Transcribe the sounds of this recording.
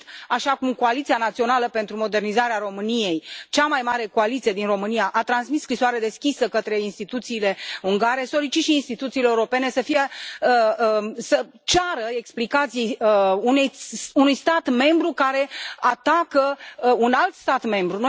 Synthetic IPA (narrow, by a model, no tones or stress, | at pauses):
aʃakumko̞alit̪sianat̪sio̞naləpe̞nt̪ɾumo̞d̪e̞rnizaɾeaɾo̞mɨnije̞jt͡ʃamajmaɾe̞ko̞alit̪sije̞d̪inro̞mɨnijaʔat̪ɾansmisːkɾisoaɾe̞d̪e̞skʲisəkət̪ɾe̞inst̪it̪ut̪siːle̞uŋɡaɾe̞so̞ɾit͡ʃiʃiːnst̪it̪ut̪siːleuɾo̞pe̞ne̞səfijeəsə | t͡ʃaɾəe̞ksplikat̪sijunejunujst̪at̪me̞mbɾukaɾe̞at̪akəunalt̪st̪at̪me̞mbɾuno